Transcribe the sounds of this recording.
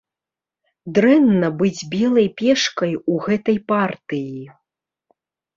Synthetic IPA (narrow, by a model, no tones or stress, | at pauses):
d̪ɾɛnːɐbɨd͡zʲbʲɛlˠɐjpʲɛʂkɐjuɣɛt̪ɐjpart̪ɨji